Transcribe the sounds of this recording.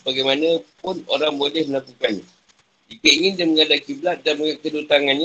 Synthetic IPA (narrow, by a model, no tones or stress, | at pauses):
baɡajmanəpʊno̰ɾaŋbolɛhməlakukanɲa | d͡ʒikəiŋɪndaməŋadakiblat̪̚danməŋakədut̪aŋanɲa